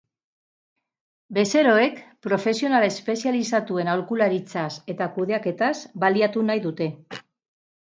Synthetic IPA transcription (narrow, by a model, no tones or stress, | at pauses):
be̞se̞ɾo̞e̞kpɾo̞fe̞sionalespe̞sialisat̪ue̞nawlkulaɾit͡sase̞t̪akuð̞e̞ake̞t̪azbaliat̪unajðut̪e̞